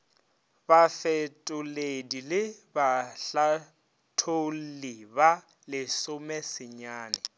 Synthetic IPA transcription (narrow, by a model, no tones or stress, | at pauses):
bafɛtʼʊledilɪbaɬa | tʰoliba | lɪsʊmɛsɪɲaːnɪ